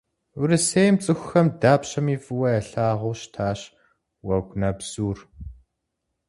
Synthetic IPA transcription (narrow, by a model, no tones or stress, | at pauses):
uɾɨseːjmt͡sʼɨxʷxɐmdaːpɕɐmiːfʼɨwɐɛɬaːʁʊːʃtʰaːɕ | wɐɡʷʼnɐbz̥uːr